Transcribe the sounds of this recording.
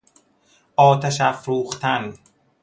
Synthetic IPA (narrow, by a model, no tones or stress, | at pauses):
ʔɒːt̪ʰæʃæfɾuːxt̪ʰæn